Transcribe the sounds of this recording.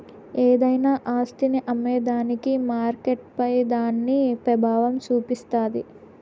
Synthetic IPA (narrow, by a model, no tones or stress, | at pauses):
eːd̪ɐjnaːʔaːst̪iniʔɐmːɛːd̪aːnikimaːɾkeʈpɐjd̪aːnːipɾɐbʱaːʋɐmt͡ʃuːpist̪aːd̪ḭ